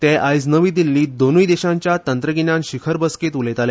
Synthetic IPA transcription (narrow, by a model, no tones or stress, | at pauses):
t̪eʔajd͡znəʋiːd̪ilːiːd̪onujd̪eɕãɲt͡ɕjat̪ənt̪ɾəɡinãnɕikʰəɾbəsket̪ulet̪ale